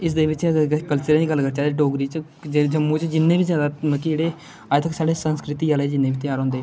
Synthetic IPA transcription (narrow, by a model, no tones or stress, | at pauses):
ɪs̬d̪eːʋɪt͡ʃkəlsəɾẽːd͡ʒiːɡəlkəɾt͡ʃaːd̪eːɖoːɡɾiːt͡ʃ | ed͡ʒəmːuːt͡ʃd͡ʒɪnːẽːbiːzjaːd̪aːkeːɽeː | aːt̪ʰəksaːɖeːsənskɾɪt̪iːaːleːd͡ʒɪnːeːbiːt̪ɪjaːɾɦõːnd̪eː